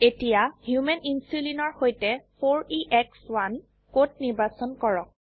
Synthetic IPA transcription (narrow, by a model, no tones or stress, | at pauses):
etijahjumɛninsulinɔɹhojtɛpʰoɹiʔɛkswan | kot̚niɹbasɔnkɔɹɔk̚